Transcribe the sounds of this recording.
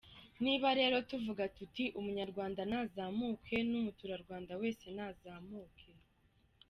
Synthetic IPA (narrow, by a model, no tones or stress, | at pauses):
niːβaɾe̞ːɾo̞tuvuɡatutiʔumuɲaɾɡwaːndanaːzaːmuːkʰe̞numutuɾaɾɡwaːndawe̞ːse̞naːzaːmuːkʰe̞